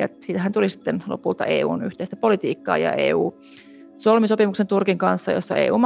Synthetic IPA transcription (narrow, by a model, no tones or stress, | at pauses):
ɑt̪siːt̪æɦænt̪ulisi̥t̪ːenlo̰pult̪ɑ̰ʔḛːṵːnyht̪eist̪æpolit̪iːkːɑ̰ːjɑ̰ʔḛːuː | solmisopimuksent̪urkiŋkɑnsːɑjosːɑḛːṵːm